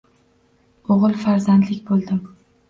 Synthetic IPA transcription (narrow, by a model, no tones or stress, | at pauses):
oʁɨlˠfaɾzand̪lɪkʲbolˠd̪ɪm